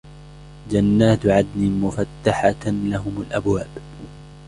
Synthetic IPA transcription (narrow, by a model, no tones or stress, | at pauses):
d͡ʒanːaːt̪ʕad̪niːmʊfat̪ːaħalaɦʊmalʔabwaːb